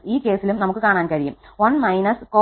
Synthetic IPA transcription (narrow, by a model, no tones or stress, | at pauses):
iːkeːsilumnɐmukːɯkaːɳaːnkɐɻɪjɯ̰mʋɐnmɐjnɐskoː